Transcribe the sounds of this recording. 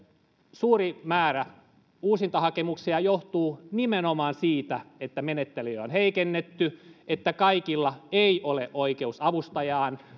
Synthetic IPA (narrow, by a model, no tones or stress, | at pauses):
suːrimæːɾæ | uːsint̪ɑhɑkemuksiɑjoht̪uːnimenomɑːnsiːt̪æet̪ːæmenet̪ːelyøonheikenːet̪ːyet̪ːækɑikilːɑeiʔoleʔʔoikeusɑʋust̪ɑjɑːn